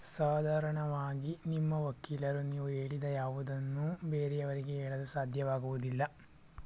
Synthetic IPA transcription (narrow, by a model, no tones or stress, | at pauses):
saːd̪ʱaːɾɐɳɐʋaːɡinimːɐʋɐkːiːlɐɾuniːʋueːɭid̪ɐjaːʋud̪ɐnːubeːɾɛɐʋɐɾiɡeɛːɭɐd̪usaːd̪ʱjɐʋaːɡuʋud̪ilːɐ